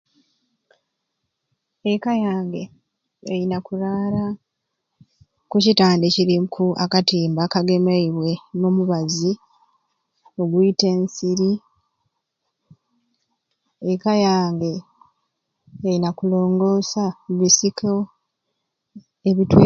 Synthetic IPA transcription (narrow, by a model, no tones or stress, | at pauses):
ekajaːŋɡe̞ | ejinakuɾaːɾa | kucitaːndeciɾikʰuʔakatiːmbakaɡe̞maiβwe̞nomuβazi | o̞ɡuite̞ːnsiɾi | ekajaːŋɡe̞ | jinakulo̞ːŋɡo̞ːsaβisikʰo | eβitwe